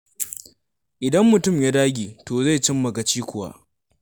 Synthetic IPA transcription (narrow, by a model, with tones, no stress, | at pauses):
ʔɪ˨dɐ˦mːʊ˨tʊ˦˨mja˦daː˦ɡʲiː˨toː˨za˦˨jt͡ʃɪ˦mːɐ˨ɡa˨t͡ʃiː˦kʷʊ˨wa̰ː˦ʔ